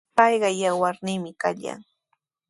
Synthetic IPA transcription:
pɑjɢɑjawaɾnɪmɪkaʎa̰ŋ

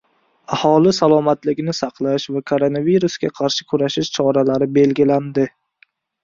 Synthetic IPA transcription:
ahɒlɪsalˠɒmat̪lɪɡʲnɪsɑqlˠaʃvakʰoɾonaviɾusɡʲaqʰɑɾʃɪ̥kʰʊɾaʃɪʃt͡ʃʰɒɾalaɾɪbe̞lɡʲɪland̪ɪ

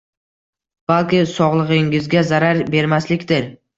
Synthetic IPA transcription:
b̥alˠkʲɪsɒʁlˠɨʁɪŋɪzɡʲazaɾaɾbe̞ɾmaslɪkʲt̪ɪɾ

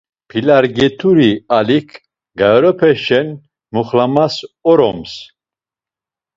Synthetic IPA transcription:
pʰilaɾɡɛt̪ʰuɾialikʰ | ɡaɔɾɔpʰɛʃɛn | muχlamasɔɾɔ̰ms

